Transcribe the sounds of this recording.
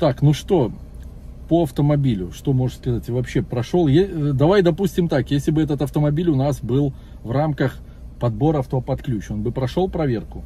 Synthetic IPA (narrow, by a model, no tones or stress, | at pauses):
t̪aknuʂt̪o̞ | pəɐft̪əmɐbʲilʲʊʂt̪o̞mo̞ʐɨskɐzatʲɪvɐpɕːe̞pɾɐʂolˠjed̪ɐvajd̪ɐpusʲtʲɪmt̪akjesʲlʲɪbɨɛt̪ət̪ɐft̪əmɐbʲilʲʊnasbɨlˠ | vramkəx | pɐd̪̚bo̞ɾəɐft̪opɐt̪klʲʉt͡ɕo̞nbɨpɾɐʂo̞lˠpɾɐvʲe̞rkʊ